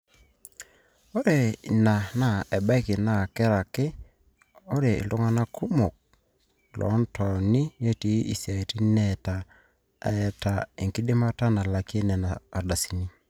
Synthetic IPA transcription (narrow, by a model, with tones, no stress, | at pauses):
o˦ɾe˨na˨na˨ɛ˨ba˦i˦ke˨na˦˨kɛ˦ɾa˨ke˦ | o˦ɾe˨ḛ˨lo˦ŋa˦na˦kʰu˦mo˨k̚ | lʔɔ̰˨˦ntʰɔ˨ni˦je˦ti˨˦ḭ˨sja˨e˨ti˦nɛ˦ta˨ | ɛ˨ta˨e˨ŋki˦de˦ma˦ta˦na˨la˨ke˦nɛ˨naː˨da˨si˨ni˦